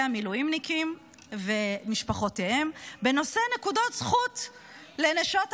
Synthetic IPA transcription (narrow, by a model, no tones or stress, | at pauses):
amiluimnikim | vemiʃpaχo̞tehembeno̞se̞nekudotsχut | leneʃot